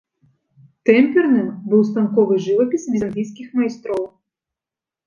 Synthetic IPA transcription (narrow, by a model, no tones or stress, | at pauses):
t̪ɛmʲpʲɛrnɨmbɨwst̪ankɔvɨʐɨvɐpʲisvʲizndʲijsʲkʲixmɐjst̪ɾɔw